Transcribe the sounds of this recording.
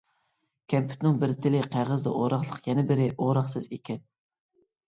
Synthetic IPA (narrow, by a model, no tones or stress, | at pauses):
kʲʰɛmpʰy̥t̪nɪŋbɪɾt̪ʰɪlɪqʰæʁəzd̪ɛ̰ʔoɾɑχlˠəqjɛnɪbɪɾɪʔoɾɑχsɨzekʲʰɛn